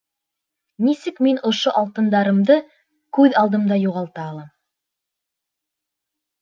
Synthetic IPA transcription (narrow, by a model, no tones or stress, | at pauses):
nisɘkminŏʃoʔɑlˠt̪ɤ̆nd̪ɑɾɤ̆md̪ɤ | kʉðɑlˠd̪ɤ̆md̪ɑjuʁɑlˠt̪ɑːlˠɑm